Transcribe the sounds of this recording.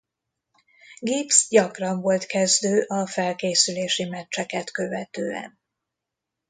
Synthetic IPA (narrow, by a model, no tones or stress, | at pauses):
ɡipsɟɒkrɒɱvo̞lt̪kɛzd̪øːʔɒfɛlkeːsyleːʃimɛt͡ʃːɛkɛt̪kø̞vɛt̪øːɛ̰n